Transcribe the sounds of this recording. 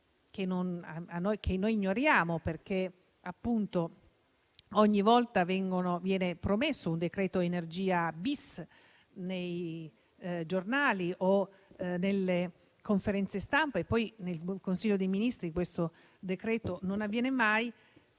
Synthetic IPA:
k̟enːonaanːojk̟ʰenːojiɲːoɾjaːmoperk̟e | apːunt̪o | ɔɲːivɔlt̪avɛŋɡonovjɛːnepɾomesːound̪ekɾɛːt̪oenerd͡ʒiːabis | nej | d͡ʒornaːliʔo | nelːe | koɱfeɾɛnt̪sest̪ampaepːɔjnelkonsiʎːod̪ejminist̪ɾikwest̪o | d̪ekɾɛːt̪ononavːjɛːnemaj

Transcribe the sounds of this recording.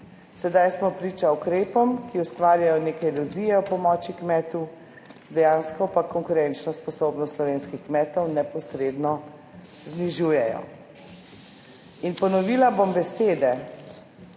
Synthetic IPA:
sɛd̪ajsmɔpɾiːt͡ʃaukɾeːpɔmkiust̪ʋaːɾjajɔneːkɛɛluzijɛɔpɔmɔːt͡ʃikmɛːt̪u | d̪ɛjaːnskɔpakɔŋkuɾɛnt͡ʃnɔspɔsoːbnɔst̪lɔʋeːnskixkmɛːt̪ɔwnɛpɔsɾeːd̪nɔ | zniʒuːjɛjɔ̰ | inpɔnɔʋiːlabombɛseːd̪ɛ

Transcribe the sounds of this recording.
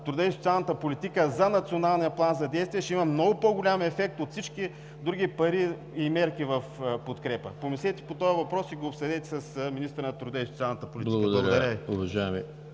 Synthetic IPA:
t̪ɾʊd̪aisot̪sʲalˠnət̪əpolit̪ikəzɐnɐt̪sionalˠnijɐplˠanzɐd̪ɛjst̪viɛʃɛimɐmnɔɡʊpoɡʊlʲamɛfɛk̚t̪ot̪fsit͡ʃki | d̪ɾuɡʲipɐɾiː | mɛɾkivɐfpot̪kɾɛpəpomislʲɛt̪ɛ̥pot̪ɔjɐvɐpɾɔsiɡoːpsɛd̪ɛt̪ɛ̥sɐsminist̪əɾnɐt̪ɾud̪aisot̪sialˠnət̪əpʊlʲitblˠɐɡkbd̪lˠɐɡd̪ɐɾəiʊvɐʒaɛmi

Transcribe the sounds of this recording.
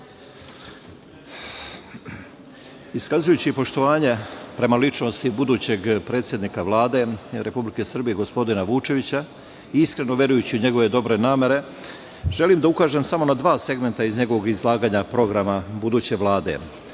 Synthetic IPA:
iskazujut͡ɕipo̞ʃt̪o̞ʋaːɲe̞pɾe̞malit͡ʃno̞st̪ibud̪uːt͡ɕe̞ɡpɾe̞ːt̪sjed̪nikaʋlˠaːd̪e̞ɾʔe̞publike̞sr̩bijeɡo̞spo̞d̪inaʋut͡ʃe̞ʋit͡ɕa | iiskɾe̞no̞ʋjeɾujut͡ɕiuɲe̞ɡo̞ʋe̞d̪o̞bɾe̞naːme̞ɾe̞ | ʒ̥e̞limd̪aukaːʒe̞msamo̞nad̪ʋaːse̞ɡme̞nt̪aizɲe̞ɡo̞ʋo̞ɡizlˠaːɡaːɲapɾo̞ɡɾamabud̪uːt͡ɕe̞ʋlˠaːd̪e̞̰

